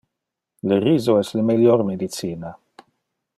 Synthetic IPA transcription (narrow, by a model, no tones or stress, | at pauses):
ləriːzoɛsləmeljɔɾmed̪it̪siːna